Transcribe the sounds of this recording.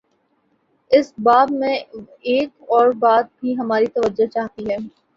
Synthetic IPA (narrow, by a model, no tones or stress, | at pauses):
ɪsbaːbmẽ | eːkɔːɾbaːd̪̚bʱiɦɐmaːɾit̪ɐʋəd͡ʒot͡ʃaːɦt̪iɦɛː